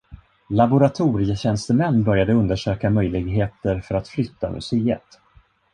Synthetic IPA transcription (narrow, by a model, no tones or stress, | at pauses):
labʊɾat̪ʰuːɾɪjəɕɛnst̪əmɛnːbœɾjad̪əɵnd̪əʂøːkamœjlɪɡɦeːt̪əɾfœɾat̪flʏt̪ʰːa̰mʔɵ̰seːə̰t̪